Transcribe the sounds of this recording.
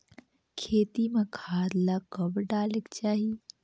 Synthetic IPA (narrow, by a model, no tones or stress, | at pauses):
kʰeːt̪imãkʰaːd̪lakəbɖaːlekt͡ʃaːɦi